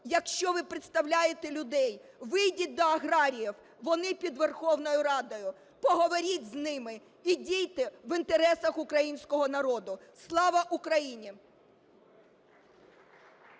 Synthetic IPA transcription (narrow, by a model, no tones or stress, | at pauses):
jɐkʃt͡ʃɔʋɪpɾɪt̪st̪ɐwlʲajet̪elʲʊd̪ɛjʋɪjdʲit̚ʲd̪ɔɐɦɾɑɾʲijiw | ʋɔnɪpʲid̪ʋe̞rxɔwnɔjʊɾɑd̪ɔjʊ | pɔɦɔʋɔɾʲitʲznɪmɪ | idʲijt̪ɪʋɪnt̪eɾɛsɐxʊkɾɐjinʲsʲkɔɦɔnɐɾɔd̪ʊslˠɑʋɐʔukɾɐjinʲi